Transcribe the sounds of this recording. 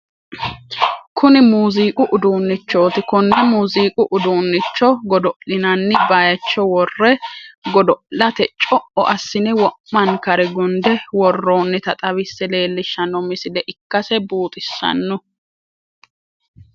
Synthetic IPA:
kʰʊnɪmuːziːkʼʊʔʊd̪uːnːɪt͡ʃːo̞ːt̪ɪkʊnːɛmuːziːkʼʊʔʊd̪uːnːɪt͡ʃːɔɡɔd̪ɔʔlɪnɐnːɪbaːjɐt͡ʃːɔwɔrːɛɡɔd̪ɔʔlɐt̪ɛt͡ʃʼɔʔɔʔɐsːɪnɛwɔʔːɐnkɐɾɛɡʊnd̪ɛwɔrːoːnːɪt̪ɐt̪ʼɐβɪsːɛle̞ːlːɪʃːɐnɔmɪsɪlɛʔɪkːɐsɛbuːt̪ʼɪsːɐ̰nːʊ

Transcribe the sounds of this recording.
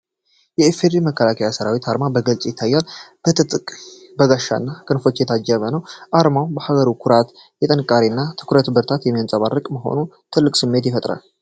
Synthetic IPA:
jɛefeɾiməkʰːəlakʰəjasəɾawit̪ʰaɾmabəɡəlt͡sʼjɪt̪ʰːajːalb̥ət̪ʰɨt̪ʼɨkʼ | bəɡaʃːa̰nːakʼɨnfo̞t͡ʃːjɛt̪ʰad͡ʒːəβənəwʔaɾmawbəhaɡəɾukʰʊɾat̪ | jɛt̪ʼənkʼːaɾinːat̪ʰɨ̥kʰɾət̪bɨɾt̪ʰat̪jɛmːijansʼəβarːɨkʼməɦo̞̰nut̪ʰɨlːɨkʼsɨmːe̞t̪jɛfət̪ʼɾa̰l

